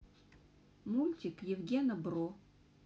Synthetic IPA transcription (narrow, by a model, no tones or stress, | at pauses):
mulʲtʲɪkjɪvɡʲenɐbro